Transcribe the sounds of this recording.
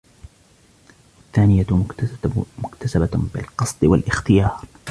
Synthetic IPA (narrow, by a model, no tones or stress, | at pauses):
waθːaːnɪja | mʊkt̪asababɪlqɑsˤd̪ˤwalʔɪxt̪ɪjɑːɾˤ